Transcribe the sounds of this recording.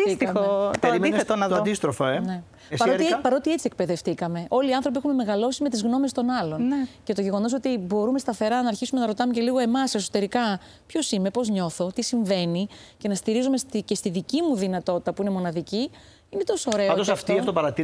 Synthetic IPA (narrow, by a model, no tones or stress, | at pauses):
isit̪iot̪eimiet̪onɐd̪ist̪ɾofoene | spɐɾopɐɾo̞t̪ie̞t͡siek̚pe̞ðe̞ft̪ikɐme̞ʔo̞liɐnθɾo̞p̬iexume̞me̞ɣɐlo̞sime̞t̪izɣno̞me̞st̪o̞nɐlo̞nnece̞t̪oʝe̞ɣo̞no̞sot̪ibo̞ɾume̞st̪ɐθe̞ɾɐnɐːɾçisume̞nɐɾo̞t̪ɐmece̞liɣo̞e̞mɐseso̞t̪e̞ɾikɐ | pço̞sime̞po̞zɲo̞θo̞t̪isiɱve̞nice̞nɐst̪iɾizumest̪ice̞st̪iðicimuðinɐt̪o̞t̪i̥t̪ɐpuinemo̞nɐðici | inet̪o̞sooɾe̞oad̪osɐft̪iɐft̪opɐɾɐt̪i